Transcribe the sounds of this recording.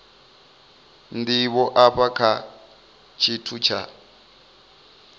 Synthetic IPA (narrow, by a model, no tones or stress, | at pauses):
ndiβɔʔaɸakʰa | t͡ʃʰitʰut͡ʃʰa̰